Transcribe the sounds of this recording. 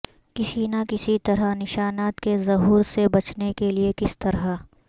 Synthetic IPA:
kɪsinakɪsit̪ɐɾanɪʃaːnaːt̪kezɐɦuːɾsebɐt͡ʃnekeliekɪst̪ɐɾɦa

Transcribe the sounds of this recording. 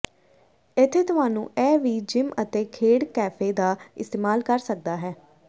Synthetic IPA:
ɪt̪ʰːeːt̪ʊɦaːnũːɛːʋiːd͡ʒɪmət̪eːkʰeːɽkɛːpʰeːd̪aːɪst̪eːmaːlkəɾsək̚d̪aːɦɛː

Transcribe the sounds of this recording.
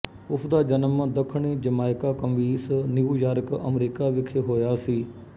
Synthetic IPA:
ʊsd̪aːd͡ʒənəmad̪əkʰɳiːd͡ʒəmaːɪkaːkəmʋiːsniuːjaːɾəkə̰mɾiːkaːʋɪkʰeːɦoːjaːsiː

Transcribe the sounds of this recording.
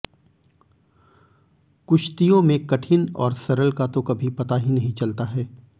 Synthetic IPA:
kʊʃt̪ijõmẽkɐʈʰɪnɔːɾsɐɾəlkat̪õkɐbʱipɐt̪aɦinɐɦĩt͡ʃɐlt̪aɦɛː

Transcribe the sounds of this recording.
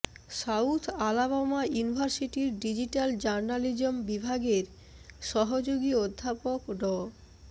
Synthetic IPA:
sawt̪ʰalaβamajunibʱaɾsiʈiɾɖid͡ʑiʈald͡ʑaɾnalid͡ʑombibʱaɡeɾ | ʃɔɦod͡ʑoɡiod̪ʱːapokɖɔ

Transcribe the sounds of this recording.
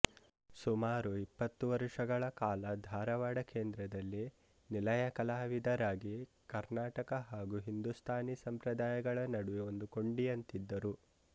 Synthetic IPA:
sumaːɾuipːɐt̪ːuʋɐɾʂɐɡɐɭɐkaːlɐd̪ʱaːɾɐʋaːɽɐkeːnd̪ɾɐd̪ɐlːi | nilɐjɐkɐlaːʋid̪ɐɾaːɡi | kɐɾnaːʈɐkɐɦaːɡuɦind̪ust̪ʰaːnisɐmpɾɐd̪aːjɐɡɐɭɐnɐɽuʋio̞nd̪uko̞ɳɖijɐnt̪id̪ːɐɾu

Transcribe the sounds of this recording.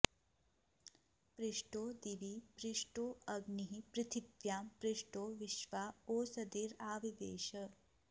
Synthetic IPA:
pɾɪʂʈoːd̪iʋipɾɪʂʈoːɐɡniɦipɾɪt̪ʰibjaːmpɾɪʂʈoːʋɪʃʋaːoːsɐd̪iːɾaːʋiʋḛːʃɐ

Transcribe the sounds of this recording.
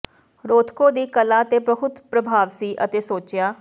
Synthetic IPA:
ɾoːt̪ʰkoːd̪iːkəlaːət̪eːbəɦʊt̪pɾəbʱaːʋsiːʔə̰t̪eːsoːt͡ʃɪjaː

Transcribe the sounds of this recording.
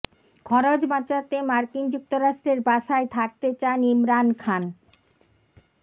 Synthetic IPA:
kʰɔɾod͡ʑbat͡ɕat̪emaɾkind͡ʑuk̚t̪oɾaʃʈɾeɾbaʃaet̪ʰak̚t̪et͡ɕanimɾankʰan

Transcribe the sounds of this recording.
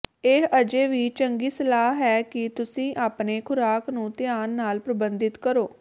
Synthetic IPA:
eəd͡ʒeːʋiːt͡ʃəŋɡiːsəlaːɦɛːkɪt̪ʊsĩːʔaːpneːkʰʊɾaːknũːt̪ɪjaːnːaːlpɾəbənd̪ɪt̪kəɾoː

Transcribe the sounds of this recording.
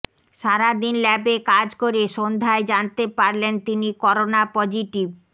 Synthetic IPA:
ʃaɾad̪inlɛbekad͡ʑkoɾeʃond̪ʱaed͡ʑant̪epaɾlent̪inikɔɾonapɔd͡ʑiʈib

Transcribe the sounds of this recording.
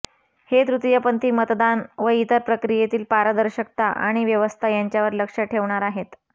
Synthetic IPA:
het̪ɾut̪jəpənt̪iːmət̪d̪anʋəit̪əɾpɾəkɾijet̪iːlpaɾəd̪əɾɕək̚t̪aʔa̰ɽ̃iʋjəʋəst̪ʰajaɲt͡ɕjaʋəɾləkʂəʈʰeʋɳaɾaɦet̪

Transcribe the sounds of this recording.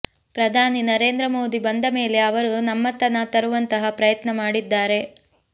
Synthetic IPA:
pɾɐd̪ʱaːninɐɾe̞ːnd̪ɾɐmo̞ːd̪ibɐnd̪ɐme̞ːle̞ɐʋɐɾunɐmːɐt̪ɐnat̪ɐɾuʋɐnt̪ɐɦɐpɾɐjɐt̪nɐmaːɽid̪ːaːɾe̞

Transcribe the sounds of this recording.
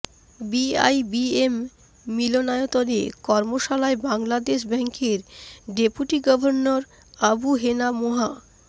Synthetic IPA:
bia̰jbiemː | ilonaeot̪onḛkɔɾmoʃalaebaŋlad̪eʃ̬bɛŋkeɾɖepuʈiɡɔbʱoɾnoɾ | abuɦenamoɦa

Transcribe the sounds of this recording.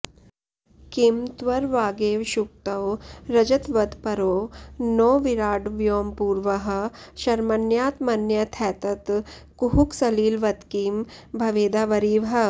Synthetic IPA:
kimt̪ʋɐɾʋaːɡeːʋʃuk̚t̪ɐwɾɐd͡ʒɐt̪ʋɐd̪pɐɾoːnoːʋiɾaːɖʋjoːmpuːɾʋɐɦɐ̆ʃɐɾmɐnjaːt̪mɐnjɐt̪ʰɛːt̪ɐt̪kuɦuksɐliːlʋɐt̪kimbʱɐʋeːd̪aːʋɐɾiːʋɦɐ

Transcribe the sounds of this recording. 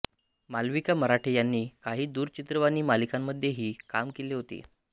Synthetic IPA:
malʋikaməɾaʈʰejanːiːkaɦiːd̪uːɾt͡ɕit̪ɾəʋaniːmalikamːəd̪ʱjeɦiːkamkeliːɦot̪ḭː

